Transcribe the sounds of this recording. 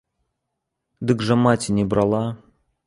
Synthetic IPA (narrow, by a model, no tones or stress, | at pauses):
d̪ɨkʐəmatʲnʲɪbɾalˠa